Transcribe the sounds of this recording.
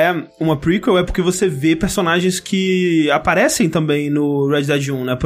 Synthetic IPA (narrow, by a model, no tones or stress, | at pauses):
ɛũmɐpɾikwewɛpoɾkevosevepeɾsonaʒẽj̃skʰɪapaɾɛsẽj̃t̪ɐ̃mbẽj̃nʊɾɛd͡ʒd̪ad͡ʒũnɛp